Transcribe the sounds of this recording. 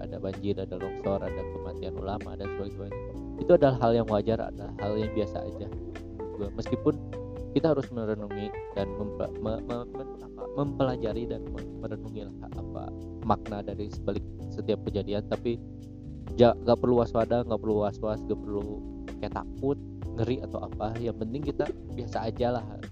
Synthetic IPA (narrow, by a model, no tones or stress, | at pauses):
a̰dabaɲd͡ʒɪɾadalɔksɔɾadakəmat̪ianṵlama̰dasəbaɡɛsəmaɲa | it̪uadalaɦːaljaŋwad͡ʒara̰dala̰haljaŋbiasa̰ːd͡ʒa | d͡ʒuɡaməskipʊn | kit̪aɦaɾʊsməɾənuŋidanməmpməməmə | apa̰məmpəlad͡ʒaɾidanməməɾənuŋilah | a̰pa̰ | mak̚nadaɾisəbalɪk̚sət̪iap̚kəd͡ʒadiant̪api | d͡ʒaŋɡaʔpərluwaswadaŋɡaʔpərluwaswasŋɡapərlu | əkat̪a̰k̚ʊt̪̚ŋəɾiat̪awa̰pajaŋpənt̪ɪŋkit̪a | biasaːd͡ʒalah